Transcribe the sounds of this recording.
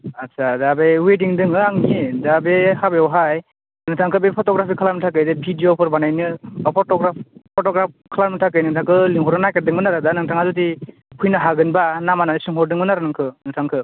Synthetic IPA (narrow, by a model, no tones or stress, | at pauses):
atsʰadabewediŋdɯŋɯaŋiedabehabeɔwɦaj | nŋɯtʰaŋkʰɯbepʰɔtɔɡɾapʰikʰalaɾmitʰak̬ɯjdebʱidijopʰɯɾbanajnɯapʰɔtɔɡɾappʰɔtɔɡɾap̚kʰalaɾmɯtʰak̬ɯjnɯŋtʰaŋkʰɯliŋɦɔɾɯnajkaɾ̚dɯŋbɯnaɾɯdanɯŋtʰaŋazut̬i | pʰujnɯɦaɡɯnbanamananɯsiŋɦɔɾdɯŋbɯnaɾɯnɯŋkʰɯnɯŋtʰaŋkʰɯ